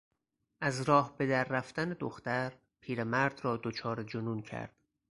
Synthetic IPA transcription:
ʔæzɾɒːhbe̞d̪æɾːæft̪æned̪oxt̪æɾ | pʰiːɾemæɾd̪rɒːd̪ot͡ʃʰɒːɾed͡ʒonuːncʰæ̰ɾd̪̥

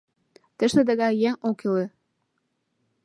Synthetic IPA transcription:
t̪ə̆ʃt̪ɘ̆d̪ə̆ɣɑjæŋokilĕ

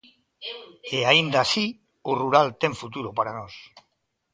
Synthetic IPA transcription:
eaind̪asi | uruɾalt̪eɱfut̪uɾopaɾanos

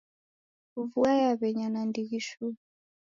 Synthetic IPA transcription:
uvuajaβɛɲanandiɣiʃu

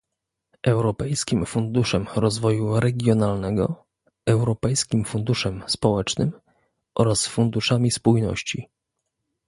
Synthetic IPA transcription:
ʔɛwɾɔpɛjskʲimfund̪uʂɛmɾɔzvɔjuɾɛɡʲjɔnalnɛɡɔ̰ | ɛwɾɔpɛjskʲimfund̪uʂɛmspɔwɛt͡ʂnɘ̰m | ʔɔɾasfund̪uʂamʲispujnɔ̰ɕt͡ɕḭ

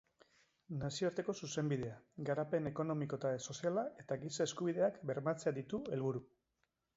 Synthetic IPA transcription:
nasio̞aɾt̪e̞ko̞suse̞mbiðe̞aɡaɾape̞ne̞ko̞no̞miko̞et̪aeso̞sialae̞t̪aɣisaeskuβ̞iðe̞akbe̞ɾmat͡se̞aðit̪ue̞lβuɾu

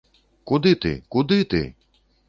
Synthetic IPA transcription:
kud̪ɪt̪ɪ̰kud̪ɪt̪ɪ̰

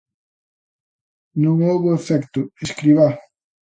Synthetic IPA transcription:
nõŋowβʊefɛkt̪ʊeskɾiβa

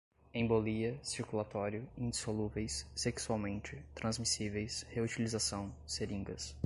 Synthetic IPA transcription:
ẽboliɐsiɾkulat̪ɔɾjʊĩnd͡ʒisoluvejsːeksuawmẽnt͡ʃɪt̪ɾɐ̃zmisivejsheut͡ʃilizasɐ̃w̃seɾĩŋɡɐs

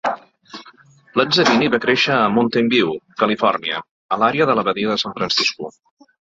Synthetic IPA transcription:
laɲzəβiniβakɾeʃəːmunt̪embiwkəlifɔrniə̰ | əlaɾeəðələβəðiəðəsaɱfɾənsisku

